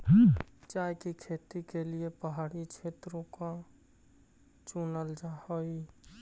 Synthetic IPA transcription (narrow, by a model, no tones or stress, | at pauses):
ɦd͡ʒajkikʰet̪ikeliepəɦaɽit͡ʃʰet̪ɾõkã | t͡ʃunəld͡ʒahəj